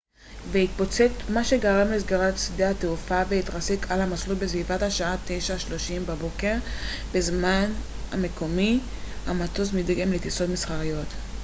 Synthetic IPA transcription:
vehit̪̚po̞t͡se̞tmaʃe̞ɡaʁamlezɡaʁatsidehateufaveit̪ʁasekʰalamaslut̚besvivathaʃaat̪e̞jʃaʃlo̞ʃimbabo̞ke̞ʁ | bezman | a̰me̞ko̞mi | hamatozmidɡemlet̪iso̞tmisχaʁijo̞t

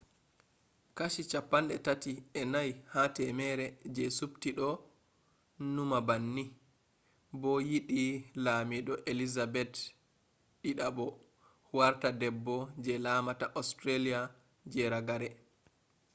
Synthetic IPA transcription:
kaʃit͡ʃapːanɗɛtatiɛnajhatɛmɛɾɛd͡ʒɛsuptiɗɔ | numabanːi | bɔjiɗilaːmiɗɔʔelizabɛt | ɗiɗabɔ | waɾtadɛbːɔd͡ʒɛlamataʔɔstɾalija | d͡ʒɛɾaɡaɾɛ

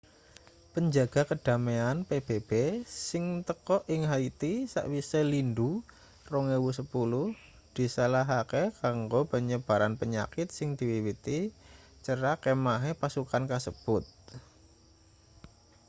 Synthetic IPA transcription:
pəɲd͡ʒaɡ̥a̤kəd̥a̤meanpeb̥eb̥esɪŋt̪əkɔʔɪŋɦait̪isa̰ʔwiselindu | roŋewus̬əpulʊh | d̪̥i̤salaɦakekaŋɡopəɲəb̥a̤ɾanpəɲa̰kɪt̪̚sɪŋd̪̥i̤wiwit̪i | t͡ʃəɾakemaɦepasukankasəb̥ʊt̪̚

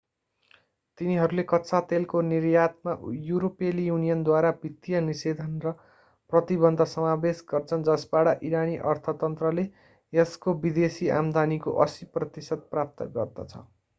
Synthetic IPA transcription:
t̪iniɦʌɾulekʌtsʰat̪elkonirjat̪̚majuɾopelijunijʌnd̪waɾabʱit̪ːijʌnised̪ʱʌnrʌ | prʌt̪ibʌnd̪ʱʌsʌmabesɡʌrt͡sʰʌnd͡zʌsbaɽʌʔiɾaniʔʌrt̪ʰʌt̪ʌnt̪rʌle | eskobid̪esia̰md̪ʱanikoʔʌsiprʌt̪isʌd̪̚prap̚t̪ʌ̰ɡʌrd̪ʌ̰t͡sʰʌ̰

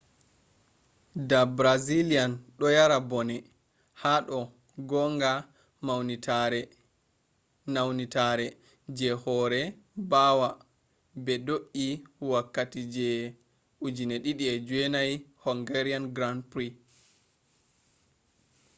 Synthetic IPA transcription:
dabɾazilianɗɔjaɾabɔnɛ | haɗɔ | ɡɔŋɡa | mawɛ | nawnitaɾɛ | d͡ʒɛhɔɾɛ | bawa | bɛdoʔiwakːatid͡ʒɛ | ʔud͡ʒinɛɗiɗiɛd͡ʒwɛnajhɔŋɡɛɾianɡɾandpɾi

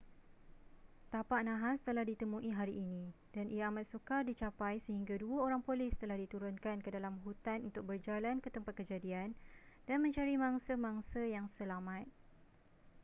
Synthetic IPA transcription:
t̪apaʔnãɦast̪əlahdit̪əmũʔiɦaɾiʔːnĩ | d̥anʔijaːmat̪̚sukardit͡ʃapajsəhiŋɡaduaoɾaŋpolɪst̪əlahdit̪uɾʊnkankədalamɦut̪anunt̪ʊk̚bərd͡ʒalankət̪əmpat̪̚kəd͡ʒadiandanmə̃ɲt͡ʃaɾimaŋsamãŋsajaŋsəlamãt̪̚

